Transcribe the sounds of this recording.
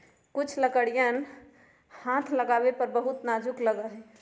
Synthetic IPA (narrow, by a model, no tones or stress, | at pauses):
kut͡ʃʰləkəɽijən | hãt̪ʰləɡabepəɾbəɦut̪nad͡ʒukləɡəɦɛ̃